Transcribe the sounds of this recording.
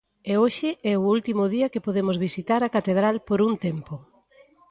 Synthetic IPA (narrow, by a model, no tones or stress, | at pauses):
eoʃɪɛʊult̪imʊðiɐkepoðemozβisit̪aɾɐkat̪eð̞ɾalpoɾunt̪empo